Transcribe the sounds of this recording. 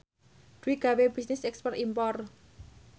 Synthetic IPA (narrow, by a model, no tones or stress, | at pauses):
d̥wiɡ̥aweb̥isnɪsɛkspɛrt̪impɔr